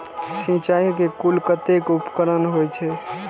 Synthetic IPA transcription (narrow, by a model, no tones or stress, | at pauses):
sĩt͡ʃaikekulkət̪ekupkəɾənɦojt͡ʃʰɛ